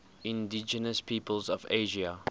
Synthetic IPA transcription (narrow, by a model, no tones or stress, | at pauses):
ɪ̃ndɪd͡ʒənəspʰiːpəlzɔveɪʒiə